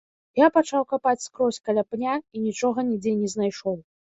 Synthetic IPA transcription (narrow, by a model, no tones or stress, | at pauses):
japat͡ʂawkapat͡sʲskɾɔsʲkalʲapnʲainʲit͡ʂɔɣɐnʲid͡zʲenʲɛznajʂɔw